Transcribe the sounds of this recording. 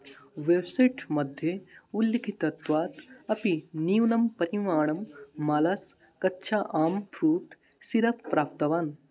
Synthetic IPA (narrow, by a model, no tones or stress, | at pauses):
ʋebsɐʈmɐd̪ʱjeulːikʰit̪ɐt̪ʋaːt̪ɐpiniːunɐmpɐɾimaːɳ̃ɐmːaːlɐs | kɐtːʃʰaːʔaːmpʰɾuːʈ | siɾɐppɾaːpt̪ɐʋaːn